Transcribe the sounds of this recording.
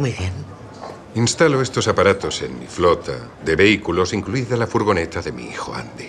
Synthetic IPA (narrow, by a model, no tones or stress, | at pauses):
mwuijβjen | inst̪aloe̞st̪o̞sapaɾat̪o̞se̞nmḭflo̞t̪a̰ | ðe̞βe̞ikulo̞siŋkluiðalafuɾɣ̞o̞ne̞t̪aðe̞mḭḭxo̞a̰nd̪i